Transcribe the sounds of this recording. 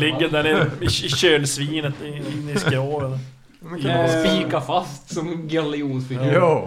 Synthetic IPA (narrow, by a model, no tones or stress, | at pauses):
lɪɡːənd̪æɾɛɪɕøːnsviːnət̪ɪɪnːɪskɾoːɾən | spiːkafast̪sɔmɡalɪuːnsfɪɡʉː